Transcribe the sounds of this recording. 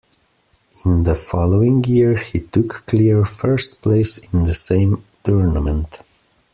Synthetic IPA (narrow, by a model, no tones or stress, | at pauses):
ɪ̃nðəfɑloʊɪ̃ŋjiɹhitʊkːliɹfɜ˞st̚pʰleɪsɪ̃nðəsẽɪ̃mtʰuɹnəmə̃nt